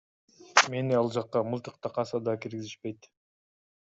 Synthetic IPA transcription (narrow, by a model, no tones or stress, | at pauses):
me̞niɑlˠd͡ʒɑqːɑmɯlˠt̪ɯqt̪ɑqɑsɑd̪ɑkiɾɡiziʃpe̞jt̪